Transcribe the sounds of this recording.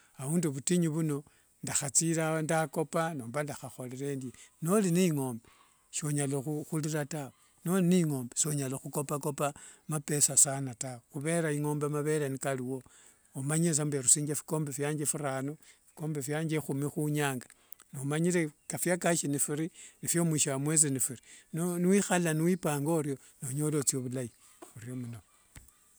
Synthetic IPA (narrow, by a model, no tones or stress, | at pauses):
aβuːnduβutiɲiβuno̞ | ndaxat͡siɾandako̞panoːmbandaxaxo̞leɾendjeno̞liniŋo̞ːmbe | ʃo̞ɲaloxuxuliɾatawe | no̞liniŋo̞ːmbeso̞ɲaloxuko̞pako̞pamape̞sasanatawexuβe̞ɾaiŋo̞ːmbemaβe̞ɾenikaliwo̞ | omaɲes̬ambeɾusiːɲd͡ʒefi̥ko̞ːmbefjaːɲd͡ʒefiɾaːnofi̥ko̞ːmbefjaːɲd͡ʒexumixuɲaːŋɡa | nomaɲile̞kafjakaʃinifiɾinifjo̞mwiʃawamwet͡sinifiɾinoniwixalaniwipaːŋɡoɾjo̞ | noɲo̞lo̞t͡sioβulai | uɾjo̞muno